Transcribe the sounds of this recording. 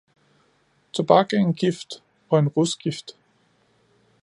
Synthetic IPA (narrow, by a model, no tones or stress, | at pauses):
t͡sʰob̥ɑɡ̥əenɡ̥ifd̥ | ɒ̽e̝nʁusɡ̥ifd̥